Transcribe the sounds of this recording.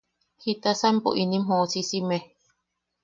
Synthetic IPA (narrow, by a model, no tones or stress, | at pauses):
hit̪asampo̰ʔinĩmhõʔsisime